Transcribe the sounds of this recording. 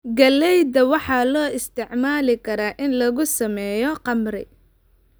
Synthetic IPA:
ɡɐlɛjd̪ɐwɑħɑːlɔːɪst̪ʰɪʕmaːlɪkʰɐɾaːʔɪnlɐɣʊsɐmɛːjɔqɑmrɪ̰

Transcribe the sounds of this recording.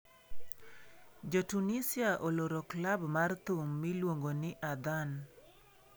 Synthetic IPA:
d͡ʒotunisiaʔoloɾɔklabmart̪ʊmːilwoŋɡonɪʔad̪an

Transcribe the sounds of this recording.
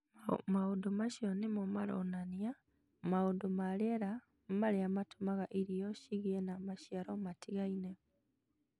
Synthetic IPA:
maodomaʃiɔnimomaɾo̰nanja | maodomaɾeɾa | maɾeamatumaɣaʔiɾijɔʃiɣienamaʃjaɾomatiɣaine

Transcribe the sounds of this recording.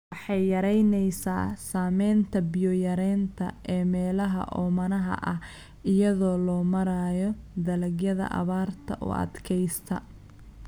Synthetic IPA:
wɑħɑjjɐɾɛjnɛjsa̰ːsaːmɛjnt̪ʰɐbɪjɔjɐɾɛːnt̪ʰɐ̰ʔɛːmɛːlɐɦɐ̰ʔɔmɐnɐɦɐ̰ʔɐh | ɪjɐðɔːlɔːmɐɾaːjɔd̪ɐlɐɡjɐðɐ̰ʔɐ̰βaːrt̪ʰɐ̰ʔṵɐ̰d̪kʰɛjst̪ʰɐ

